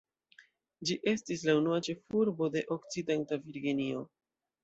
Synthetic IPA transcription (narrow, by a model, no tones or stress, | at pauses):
d͡ʒiʔe̞stislaunuat͡ʃe̞fuɾbo̞de̞ʔo̞kt͡side̞ntaviɾɡinio̞